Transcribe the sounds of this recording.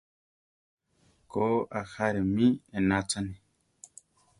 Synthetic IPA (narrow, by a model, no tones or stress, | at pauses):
koaxaɾemĩenat͡sani